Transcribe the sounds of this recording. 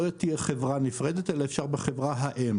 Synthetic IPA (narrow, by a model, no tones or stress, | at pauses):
jot̪ːiaχevʁanifʁed̪et̪elaefʃaʁbeχevʁaɦaʔem